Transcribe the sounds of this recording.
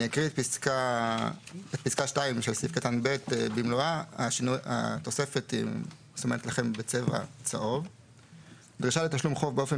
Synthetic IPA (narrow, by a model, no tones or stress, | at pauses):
iakʁietpiska | et̚piskaʃtaimʃelsifkat̪anbe̞t̪ebimloaaʃinuja̰t̪ose̞fe̞t̪ḭ | somenet̪laχe̞mbet͡seva̰t͡saʔo̞v | d̪ʁiʃale̞t̪aʃlumχo̞vbeo̞fe